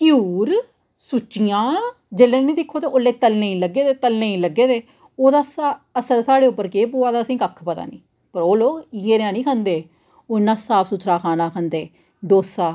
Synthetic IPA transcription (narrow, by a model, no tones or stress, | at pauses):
kjuːɾ | sʊt͡ʃijãː | d͡ʒeːlẽːnĩːd̪ɪkʰːoːt̪eːʔoːlːeːt̪əlnẽĩːləɡeːd̪eːt̪əlnẽĩːləɡːeːd̪eː | oːd̪aːsaəsəɾsaːɽeːʊpːəɾkeːp̬uːaːd̪aːəsĩːkəkʰpət̪a̰ːnḭ̃ː | pəɾoːloːɡjeːɾãːnĩːkʰə̃nd̪eː | onːãːsaːpʰsʊt̪ʰɾaːkʰaːnãːkʰənd̪eː | ɖoːsaː